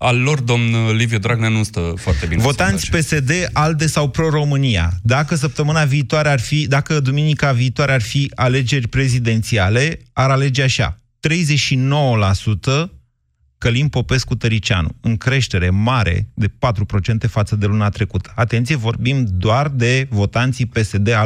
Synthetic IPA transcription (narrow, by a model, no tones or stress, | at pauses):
alːo̞rd̪omnlivjod̪ɾaɡ̚nenust̪əfoartt̪einvvo̞t̪ant̪sʲpe̞se̞d̪e̞ʔald̪e̞sawpɾo̞ɾo̞mɨnija̰d̪akəs̬əp̚t̪əmɨnaviːt̪oaɾe̞arfid̪akəd̪uminikaviːt̪waɾe̞arfiale̞d͡ʒe̞rʲpɾe̞zid̪e̞nt̪siale̞aɾale̞d͡ʒeaʃa̰ | t̪ɾe̞jze̞ʃino̞wəlasut̪ə | kəlimpo̞pe̞skut̪əɾit͡ʃa̰nṵɨŋkɾe̞ʃt̪e̞ɾe̞maɾḛd̪e̞pat̪ɾupɾo̞t͡ʃe̞nt̪e̞fat̪səd̪e̞luneat̪ɾe̞kut̪ʰə̥at̪e̞nt̪sije̞vo̞rbimd̪oard̪e̞vo̞t̪ant̪sipe̞se̞d̪e̞a